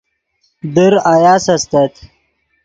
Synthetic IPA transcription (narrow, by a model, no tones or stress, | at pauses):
d̪əɾajaːsɐst̪ɐt̪ʰ